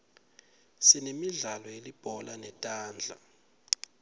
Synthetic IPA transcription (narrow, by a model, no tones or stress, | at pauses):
sinemiɮalɔelib̥ʱɔlanɛtʼaːnd͡ɮʱa̰